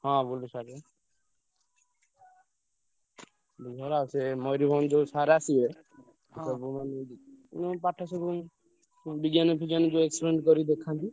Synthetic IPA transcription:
hɔ̃bolisaɾe | bid͡ʒʱaɾasemɔɾibʱɔnd͡ʒosaɾasie | sɔbumanenɔpaʈʰːasɔbu | biɡjanɔpʰid͡ʒand͡ʒoekspɾeɳʈkɔɾid̪ekʰːant̪i

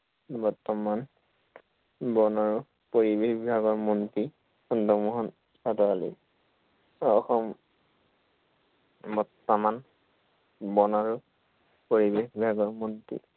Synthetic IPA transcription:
bɔɹtɔman | bɔnaɹʊ | poɹibexbibʱaɡɔɹmɔnti | ɔndɔmɔɦɔn | sʰatɔalḭ | ɔxɔm | bɔtːɔman | bɔnaɹʊ | poɹibexbibʱaɡɔɹmontḭ

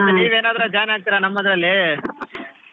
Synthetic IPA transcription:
niːʋeːnaːd̪ɐɾɐd͡ʒaːjnaːɡ̚t̪ɪɾanɐmːɐd̪ɾɐlːi

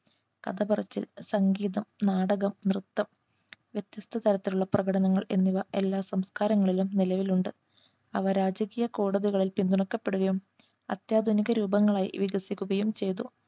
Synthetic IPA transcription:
kɐd̪ɐbɐrɐt͡ɕːḭlsɐŋɡiːðɐmnaːɽɐɣɐmnrɨt̪ːɐm | ʋjet̪jɐst̪ʰɐt̪ɐɾɐt̪ːiluɭːɐprɐɣɐɽɐnɐŋːɐɭe̞̰nːiʋɐe̞lːaːsɐmskaːɾɐŋːɐɭilumnilɐʋiluɳɖɨ | ɐʋɐɾaːd͡ʑɐkiːjɐko̞ːɽɐðiɣɐɭilpind̪uɳɐkːɐpːe̞ɽuɣɐjum | ɐt̪jaːd̪ʱuniɣɐɾuːbɐŋːɐɭaːjḭʋiɡɐsikʲːuɣɐjumt͡ɕe̞jt̪u

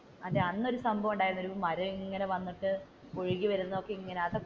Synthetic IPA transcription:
ɐeɐnːo̞ɾusɐmbʱɐʋuɳɖaːjɾnːoɾumɐɾɐiŋːɐne̞ʋɐnːiʈːɨ | koɻiɣiʋɐɾunːɐokːeiŋːɐneɐðɐ

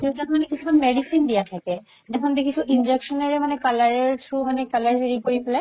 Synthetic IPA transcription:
keʈakmanekit͡ɕʰukanmɛɖisind̪ijat̪ʰake | ɖakʰond̪ekit͡ɕʰuʔind͡ʑekʃonaɾemanekalaɾeɾsumanekalaɾɾeɾikoɾipela

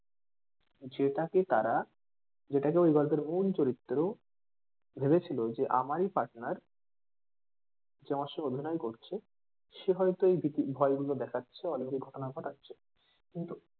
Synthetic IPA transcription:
d͡ʑeʈaket̪aɾa | d͡ʑeʈakeojɡɔɾbeɾmult͡ɕoɾit̪ːoɾeo | bʱebet͡ɕʰilod͡ʑeʔa̰maɾipaɾʈnaɾ | d͡ʑeɔmaʃood̪ʱinɔekoɾt͡ɕʰe | ʃeɦɔjt̪oejbʱit̪ibʱɔeɡulod̪ɛkʰatːɕʰeɔnkiɡʱɔʈonaɡʱɔʈatːɕʰe | kint̪u

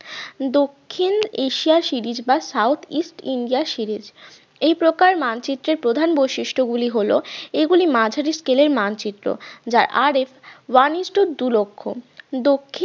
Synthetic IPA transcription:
d̪okʰːineʃiaɾʃiɾid͡ʑbasawt̪ʰisʈiɳɖiaɾʃiɾid͡ʑ | ejpɾokaɾmant͡ɕit̪ːɾeɾpɾod̪ʱanbojʃiʃʈʰoɡuliɦoloeɡulimad͡ʑʱaɾiskeleɾmant͡ɕit̪ːɾo̰d͡ʑaɾʔaɾefwanisʈuɾd̪ulokʰːo̰d̪okʰːi

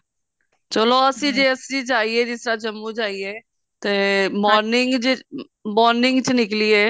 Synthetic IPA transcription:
t͡ʃəloɐsĩd͡ʒeːɐsid͡ʒaːied͡ʒɪsɾat͡ʃɐmːut͡ʃaːie | t̪emɔːɾnɪ̃ŋɡd͡ʒ | mɔːɾnɪ̃ŋɡt͡ʃnɪklieː

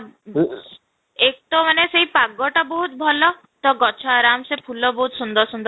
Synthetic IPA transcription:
ek̚ʈɔmaneseɦipaɡːɔʈɔbɔɦut̪̚bʱɔlɔ | t̪ɔɡɔt͡ʃʰaɾamsepʰulɔbɔɦut̪sund̪ɔɾsund̪

